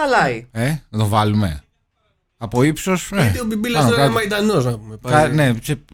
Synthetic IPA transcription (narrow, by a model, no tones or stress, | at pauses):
ɐlɐienɐt̪o̞vɐlume̞̰ | ɐpo̞ipsoset̪iobibilɐɐnokɐmɐid̪ɐnoznɐpumepɐkɐne̞se